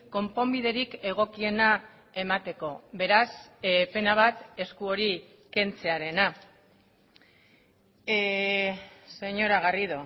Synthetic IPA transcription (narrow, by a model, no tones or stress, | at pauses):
ko̞mpo̞mbið̞e̞ɾike̞ɣ̞o̞kie̞na | e̞mat̪e̞ko̞βe̞ɾaspe̞naβ̞at̪e̞skuo̞ɾi | ke̞nt͡se̞aɾe̞na | se̞ɲo̞ɾaɣariðu